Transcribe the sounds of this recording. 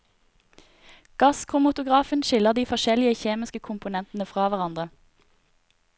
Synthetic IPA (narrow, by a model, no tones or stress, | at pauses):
ɡ̥ɑskʰʊmʊt̪ʊɡʁɑːfənʃɪləʁd̪iːfɔʃɛlɪəçeːmɪskəkʰʊmpʊnɛnt̪n̩əfʁɑːʋæʁɑnd̪ʁə